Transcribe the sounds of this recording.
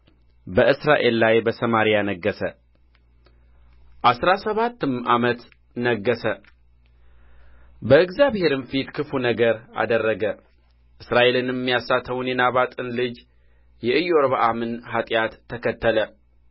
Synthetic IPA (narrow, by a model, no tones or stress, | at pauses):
bəʔɨsɾaʔe̞lːajbəsəmaɾijanəɡːəsə | ʔasɾasəβat̪ːɨmʔamət̪ | nəɡːəsə | bəɨɡzaβhe̞ɾɨnfit̪kʰɨfunəɡəɾa̰d̪ərːəɡə | ʔɨsɾaʔe̞lɨnjɛmːijasat̪ʰəwnjɛnaβat̪ʼɨnlɨd͡ʒ | jɛʔɨjoɾβaʔamɨnɦat̪ʼjat̪ʰːəkʰət̪ːələ